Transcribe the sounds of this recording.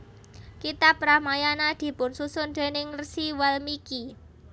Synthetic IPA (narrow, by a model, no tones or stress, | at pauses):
kit̪apɾamajanad̪̥i̤pʊnsusʊnd̪̥e̤nɪŋrsiwalmiki